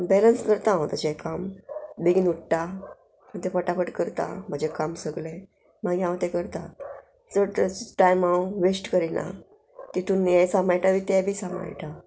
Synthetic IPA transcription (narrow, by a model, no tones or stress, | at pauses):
bɛlənskəɾt̪ãõt̪ət͡ɕɛkambeɡinuʈʈa | m̤əd̪efəʈapəʈkəɾt̪a̰m̤əd͡ʑekamsəɡlẽ | maɡjãwt̪ɛkəɾt̪a̰ | t͡səɽt̪əʈajmãʋesʈkəɾinʔa̰ | t̪it̪ũnːjɛ̃samajʈaʋit̪ɛbʱiːsama̰jʈa